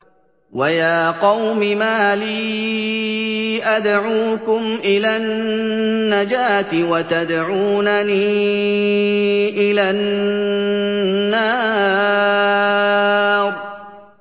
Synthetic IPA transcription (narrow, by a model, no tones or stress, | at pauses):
wajaːqɑwmɪmaːliː | ʔad̪ʕuːkʊmʔɪlaːnː | ad͡ʒaːt̪ɪwat̪ad̪ʕuːnaniː | ʔɪlaːn | aː | ɾˤ